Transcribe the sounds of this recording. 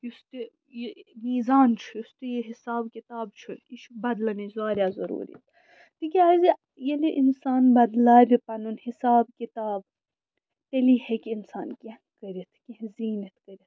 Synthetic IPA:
jist̪i | jemiːzaːnt͡ʃʰujust̪ijeɦisaːbkit̪aːbt͡ʃʰuliʃbɐd̪lɐnizaːɾjaːzɐɾṵːɾḭt̪ʰ | t̪ikʲiaːzi | jeliʔinsaːnbɐd̪laːbʲipɐnunhisaːbkit̪aːb̚ | t̪elihekʲinsaːnkʲẽhkɐɾit̪ʰkʲẽɦziːnɐt̪ʰkɐɾʲit̪

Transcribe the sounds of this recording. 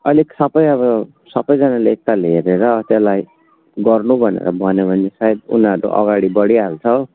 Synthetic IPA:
ʌleksʌpʌjʌβʌ | sʌpʌjd͡zanaleek̚t̪alɦeɾeɾʌt̪elaj | ɡʌrnubʱʌnḛɾʌ̰bʱʌnebʱʌnːesajed̪ṵnɦʌɾṵʔʌ̰ɡaɽibʌɽiɦalt͡sʰʌ

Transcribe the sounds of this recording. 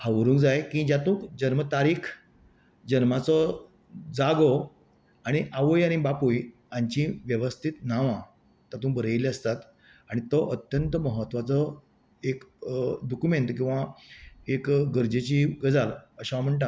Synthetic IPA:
haʋəɾũːŋkd͡zajkĩd͡ʑjat̪ũːkd͡ʑənmət̪aɾiːkʰ | d͡ʑənmat͡sɔ | d͡zaɡo | aɽ̃iʔaʋojaɽ̃ibapuj | aɲt͡ɕĩʋjəʋəst̪ʰit̪naʋã | t̪at̪ũːbəɾəiliəst̪at̪ | aɽ̃it̪ɔʔət̪jənt̪əməɦət̪ːʋat͡sɔ | ekdɔkumeɳt̪kĩw̃ʋaekɡəɾd͡ʑet͡ɕiːɡəd͡zaləɕam̤əɳʈ̬ã

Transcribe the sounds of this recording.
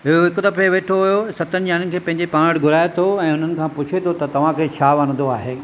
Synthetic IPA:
ɦɪɦoɦɪkd̪ɐfeʋeːʈʰoɦʊjosɐt̪ənɪ̆d͡ʑaːnənɪ̆kʰeːpɐ̃ɦɪ̃ɲd͡ʑepãːɽɡʱʊɾaːjet̪ʰoɛ̃ːʊn̤ənɪ̆kʰãːpʊt͡ɕʰet̪ʰot̪ɐt̪ɐʋ̤ãkʰeːt͡ɕʰaːʋaːñə̃nd̪oaːɦeː

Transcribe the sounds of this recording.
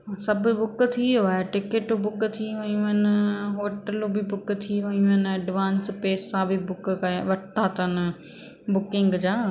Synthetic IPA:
sɐbʱʊbʊk̆t̪ʰiaːɦeʈɪkeʈobʊkt̪ʰiʋɐɲũənɪɦoːʈəlobɪbʊkt̪ʰiʋɐɲũənɪɐɖʋãːnspeːsːãbʱɪbʊkkɐʋɐʈt̪ʰaːt̪ən̆ | bʊkɪ̃ŋɡd͡ʑaː

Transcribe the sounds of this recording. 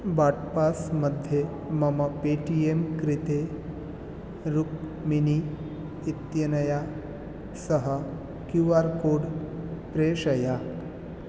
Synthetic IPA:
ʋaʈpasməd̪ʱje | məməpeʈiemkɾit̪e | ɾuk | miniː | t̪jənəja | səɦə | kjuʋaɾkoɽpɾeɕəja

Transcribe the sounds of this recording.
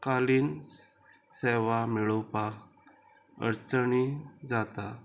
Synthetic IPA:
kaliːn | seʋamiɭəwpak | ə̰ɾt͡səɳid͡zat̪a

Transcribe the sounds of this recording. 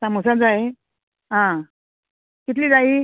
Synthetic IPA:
samusad͡zae | ɦã | kit̪liːd͡zai

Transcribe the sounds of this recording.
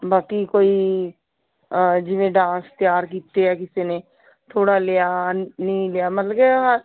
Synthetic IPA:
baːkiːkoːiː | d͡ʒɪʋẽːɖãːst̪jaːɾkiːt̪eːɛːkɪseːneː | t̪ʰoːɽaːlejaːnəĩːlejaːmət̪ləɡeɦa

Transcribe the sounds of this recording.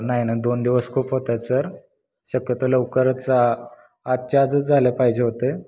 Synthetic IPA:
naɦinad̪ond̪iʋəskʰuːpɦot̪at͡səɾ | ɕəkjət̪oləʋkəɾt͡saː | t̪̚t͡ɕad͡zəd͡zʱalepaɦid͡ʑeɦot̪e

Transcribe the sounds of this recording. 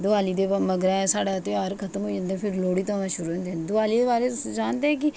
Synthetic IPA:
d̪ʊaːliːd̪eːbaməɡɾaːɛ̃saːɽaːt̪õːaːɾkʰət̪əmɦoːd͡ʒãːnd̪eɛ̃ːpʰɪɾloːɽiːt̪õːʋãʃʊɾuːɦõnd̪end̪ʊaːliːd̪eːbaːɾeːʊsd͡ʒaːnd̪eɦɛ̃ːk̬ɪ

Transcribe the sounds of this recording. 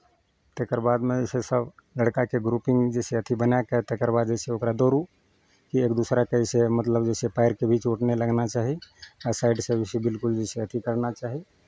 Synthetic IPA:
t̪ekəɾbad̪mẽsesəbləɽkakeɡɾupiŋɡd͡ʒeseət̪ʰibənakət̪ekəɾbad̪̚d͡ʒeseokɾad̪oɾu | kiekd̪usɾakəjsemət̪ləbd͡ʒesepaɪɾkebʱit͡ʃoʈneləɡnat͡ʃaːɦiasaɪɖsebʱisebilkuld͡ʒeseət̪ʰikəɾnat͡ʃaɦi

